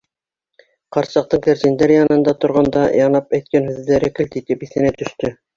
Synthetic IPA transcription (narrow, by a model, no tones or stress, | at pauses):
qɑɾsɑq̚t̪ɤɴkæ̆ɾt̪ind̪æɾjɑnɤ̆nd̪ɑt̪ŏɾʁɑnd̪ɑjʔɑnɑpæjt̪̚kænhʉðːæɾɘkɘ̆lt̪it̪ɘpiθɘ̆næt̪ɵ̆ʃt̪ɵ